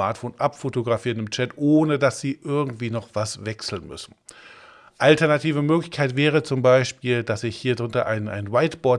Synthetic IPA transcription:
aɐtfoːnʔapfotoɡʁafiːʁənɪmt͡ʃɛtʔoːnədasz̥iːʔɪɐɡŋ̩tv̥iːnɔχv̥asvɛksl̩nmʏ̰sn̩ | ʔaltɛɐnatʰiːvəmøːklɪçkʰaɪtv̥ɛːʁ̞ət͡sʊmbaɪʃpiːldasɪçhiːɐdʁʊntɐʔa̰ɪnʔa̰ɪnwaɪtb̥ɔɐ

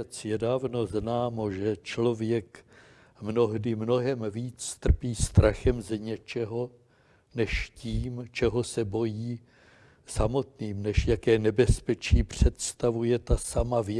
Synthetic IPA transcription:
ɛt͡sjɛdaːvno̞znaːmoʒɛt͡ʃlo̞vjɛk | mno̞ɦdɪmno̞ɦɛmviːt͡st̪r̩piːst̪ɾaxɛmzɲɛt͡ʃɛɦo̞ | nɛʃciːmt͡ʃɛɦo̞sɛbo̞jiː | samo̞t̪niːmnɛʃjakɛːnɛbɛspɛt͡ʃiːpr̝̥ɛt̪st̪avujɛt̪asamavj

